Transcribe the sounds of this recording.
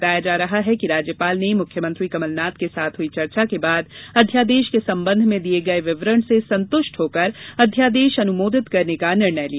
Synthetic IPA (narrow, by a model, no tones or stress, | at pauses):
t̪aːjad͡ʒaːɾɐɦaɦɛkiɾaːd͡ʒjəpaːlnemʊkʰːjəmə̃nt̪ɾikɐməlnaːt̪kesaːt̪ʰɦʊit͡ʃɐɾt͡ʃakebaːd̪ɐd̪ʱjaːd̪eːʃkesɐ̃mbə̃nd̪ʱmẽd̪ieɡɐeʋɪʋɾəɳsesɐ̃nt̪ʊʃʈɦoːkəɾɐd̪ʱjaːd̪eːʃɐnʊmoːd̪ɪt̪kɐɾnekanɪɾɳəjlia